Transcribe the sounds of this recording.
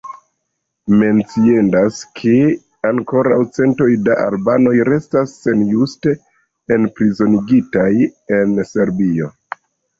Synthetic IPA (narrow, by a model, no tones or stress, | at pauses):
me̞nt͡siendaskʰe | aŋko̞ɾawt͡se̞nto̞jdaʔa̰lbano̞jɾe̞stasːe̞njuste̞ | enpɾizo̞niɡitaje̞nse̞ɾbio̞